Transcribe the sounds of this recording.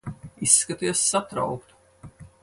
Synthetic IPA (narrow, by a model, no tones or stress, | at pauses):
isːkat̪iɛsːat̪ɾa̰wkt̪u̥